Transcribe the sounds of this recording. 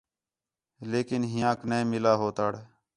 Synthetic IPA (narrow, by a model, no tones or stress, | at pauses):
leːkɪnɦɪjãːkneẽːmɪlaːɦoːt̪aːɽ